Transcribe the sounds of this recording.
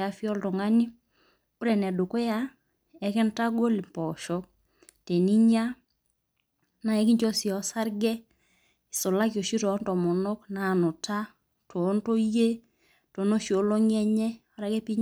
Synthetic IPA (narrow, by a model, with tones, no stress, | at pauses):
a˨fi˦ɔ˦ltɔ˨ŋa˦ni˦ | ɾɛ˨nɛ˨do˨ko˦ja˦ | ɛ˨kɛ˦nta˦ɡo˦li˨mpɔ˨ʃɔ˦k̚ | te˨ni˦ɲa˦ | na˨ɛ˨ki˦ɲt͡ʃo˦si˨ɔ˨sa˦ɾɡɛ˦ | i˨so˨la˦kjo˨ʃi˦tɔ˨˦ntɔ˨mɔ˨nɔ˦kna˨no˨ta˦ | tʰo˨˦nto˦je˦ | to˨no˦ʃo˨˦lo˦ŋɛ˦ɲɛ˦a˨ɾa˦kɛ˦pi˦ɲ